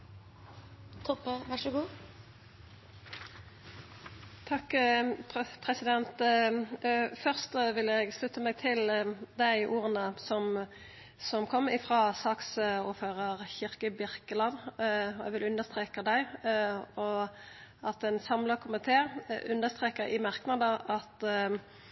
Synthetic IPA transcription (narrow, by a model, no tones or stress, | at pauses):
t̪ʰɔpːəʋæʂəɡuː | t̪ʰɑkː | pʰʁɛsɪd̪ɛnt̪ | fœʁst̪ʋɪlɛɡslʉt̪ːəmeːɡ̚t̪ʰɪld̪æɪʔuːʁənəsɔm | sɔmkʰɔmːɪfʁɑːsɑːksʊføːʁəʁçɪʁkəbɪʁkəlɑnɔɛ̰ɡʋɪlʉnːəst̪ʁeːkəd̪æɪ | ɔ | ɑt̪ɛnsɑmləkʰʊmɪt̪ʰeːʔʉnːəst̪ʁeːkəʁɪ̰mæʁknɑd̪əɑt̪